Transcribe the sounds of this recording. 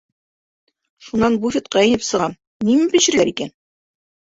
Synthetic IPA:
ʃunːɑnbufʲet̪̚qɑinɘpsɤ̆ʁɑn | nimɘpiɕɘ̆ɾɡæɾikæn

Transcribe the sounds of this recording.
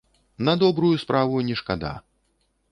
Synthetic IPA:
nɐd̪ɔbɾujuspɾavujnʲɛʂkad̪a̰

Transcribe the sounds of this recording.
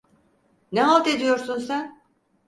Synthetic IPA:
nɛɦalˠt̪e̞d̪ijo̞ɾsunsæn

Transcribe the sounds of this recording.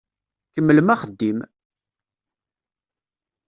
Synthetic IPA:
kəmːəlmæχəd̪ːim

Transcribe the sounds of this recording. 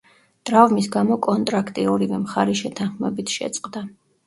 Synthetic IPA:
d̪̥ɾavmisɡamɔkʼɔnt̪ʼɾakʰt̪ʼiɔɾivɛmχaɾiʃɛt̪ʰanχmɛbit̪ʰʃɛ̰t̪sʼqʼd̪a

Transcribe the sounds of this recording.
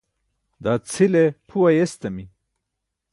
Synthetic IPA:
d̪aːt͡sʰilepʰuwɐjest̪ɐmi

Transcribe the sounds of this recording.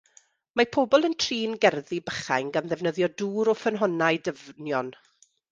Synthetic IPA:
mapʰoːbɔlˠəntʰriːnɡɛrðibəχa̰jŋɡamðɛvnəðjɔduːɾɔfənɦɔnaɨdəvnjɔn

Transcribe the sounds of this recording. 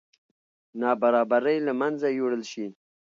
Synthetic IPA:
nɑbaɾɑbaɾəjlamanzajoɽəlʃi

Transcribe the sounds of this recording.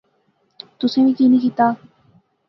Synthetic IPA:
t̪usemikinikit̪a

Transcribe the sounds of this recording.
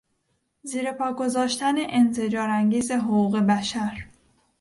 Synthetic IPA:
ziːɾe̞pʰɒːɡo̞zɒːʃt̪æne̞ʔent̪e̞d͡ʒɒːɾæŋɟiːze̞ɦoɣuːɣe̞bæʃæɾ

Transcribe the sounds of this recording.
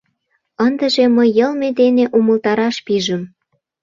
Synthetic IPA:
ənd̪ə̆ʒeməjːəlmed̪eneʔuməlt̪ɑɾɑʃpiʒəm

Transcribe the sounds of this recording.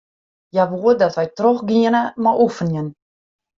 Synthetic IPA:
jaʋuːədɔtʋɛjtrɔχɡiənəmaʔufənjən

